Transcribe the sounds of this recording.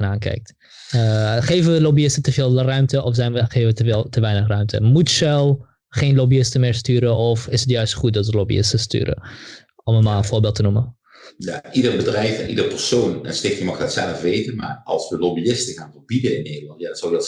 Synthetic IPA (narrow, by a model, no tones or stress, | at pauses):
ənaːnkɛ̰jk̚t | χeːvənʋəlobiɪstətəveːlˠrœɥmtəʔɔfzɛjnʋəχevəʋəəlˠtəʋɛjnəχrœɥmtʰə̰mutsɛlˠ | χeːnlobiɪstəmɪːɹstyːɾəʔɔfɪsətjœɥstχut̚dɑtʋəlobḭɪ̰stəsty̰ːɾə̰ | ɔmənmalˠə̃nvʊːɹbeːlˠtənumə | jaidərbədrɛjfɛ̰nʔidəɹpəɹsownɛnstɪkjəmɑχɛtsɛləfʋejtənma̰ːrɑ̰lˠsʋəlobiɪstəɣaːnvəɹbidəɪnːeːdəlɑntjasoʊdɑt